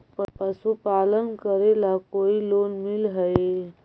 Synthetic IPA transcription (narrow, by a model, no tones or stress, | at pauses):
pəpəsupalənkəɾelakoiloːnmilɦəe